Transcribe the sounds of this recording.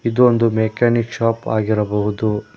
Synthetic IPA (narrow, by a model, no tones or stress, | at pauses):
id̪uond̪umekaːnikʃaːpa̰ːɡiɾɐbɐɦud̪u